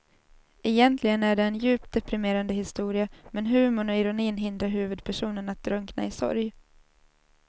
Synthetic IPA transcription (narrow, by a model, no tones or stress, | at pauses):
ɛjɛnt̪ʰlɪɡənæɖɛːnjʉ̟ːp̚t̪̚d̪ɛpɾɪmeːɾand̪əɦɪst̪uːɾɪamɛnɦʉ̟ːmʊɳɔɪɾʊniːnɦɪnd̪ɾaɾɦʉ̟ːvɵd̪̚pʰæʂuːnənat̪̚d̪ɾɵŋkna̰ɪsɔ̰ɾj